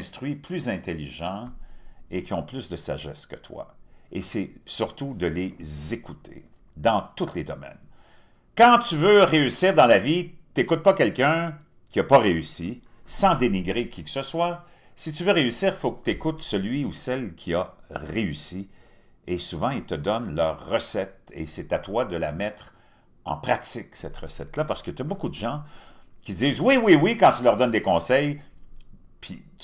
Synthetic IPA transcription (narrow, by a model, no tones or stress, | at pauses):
st̪ʁɥiplyzɛ̃t̪eliʒɑ̃ | ekʲiɔ̃plysd̪əsa̰ʒɛskət̪wa̰esɛsyʁt̪ud̪əlezekut̪ʰḛ | d̪ɑ̃t̪ut̪ʰled̪ɔmɛ̰n | kɑ̃t̪yvøʁeysiːʁd̪ɑ̃lavit̪ekut̪̚pʌkʲɛlkʲœ̃ | kʲiapʌʁeysi | sɑ̃d̪eniɡʁekʲiksəswa | sit̪yvøʁeysiːʁfokə̥t̪ekut̪səlɥiusɛlkʲʰiaʁeysi | esuvɑ̃ilt̪əd̪ɔnlœːʁːəsɛt̪ḛsɛt̪at̪wad̪əla̰mɛt̪χ | ɑ̰̃pχat̪t͡sɪksɛt̪ʁəsɛ̰t̪lapaʁsə̥kət̪yabokud̪əʒɑ̃kʲidziːzwiwiwikɑ̃t̪ylœʁd̪ɔnd̪ekɔ̃sɛj | pʰi